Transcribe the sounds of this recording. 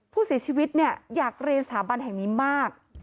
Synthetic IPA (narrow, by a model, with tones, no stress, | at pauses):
pʰuː˥˩si˩˦t͡ɕʰiː˧wi˦˥t̪̚ni˥˩ɐjaː˨˩k̚ɾi˧nsat̪ʰaː˩˦ba˧nɦɛ˨˩ŋniː˦˥maː˥˩k̚